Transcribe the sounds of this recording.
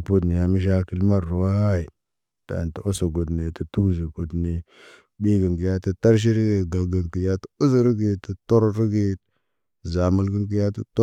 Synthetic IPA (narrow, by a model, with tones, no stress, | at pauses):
pu˦dni˨ja˨mi˦ʃ̬a˦ki˦lma˦ɾːu˨wa˦i˨ | ta̰˨ntə˨o˦sa˨ɡo˨dne˨tə˨tu˦zi˨ɡo˨dne˨ | bi˦ɡə˨ŋɡi˨ja˦tə˦ta˦ɾʃ̬i˦ɾi˦ɡe˨ɡa˨ɡa˨ŋki˨ja˦tə˦u˦s̬ə˦ɾi˦ɡi˨tə˨to˦ɾɾi˦ɡe˦˨ | za˨mu˦lɡi˦ŋk̬i˦ja˦tu˦t